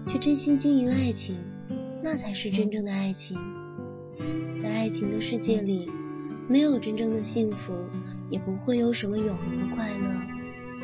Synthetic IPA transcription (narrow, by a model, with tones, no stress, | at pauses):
t͡ɕʰɛ˥˩ʈ͡ʂə˥nɕi˥nt͡ɕi˥˩ny˧˥a˥˩ɪt͡ɕʰi˧˥ŋ | na˥˩t͡sʰa˧˥ɪʂɻ̩˥˩ʈ͡ʂə˥nʈ͡ʂɤ˥˩ŋd̪ə˩a˥˩ɪt͡ɕʰi˧˥ŋ | t͡sa˥˧ɪa˥˩ɪt͡ɕʰi˧˥ŋd̪ə˧ʂɻ̩˥˧t͡ɕjɛ˥˩li˨˩me˧˥ɪjo˨˩ʊʈ͡ʂə˥nʈ͡ʂɤ˥˩ŋd̪ə˩ɕi˥˩ŋfu˧˥ | jɛ˨˩pu˧˥xwe˥˩ɪjo˧˥ʊʂə˧˥nmə˧jo˨˩ʊxɤ˧˥ŋd̪ə˧kʰwa˥˧ɪnə˥˩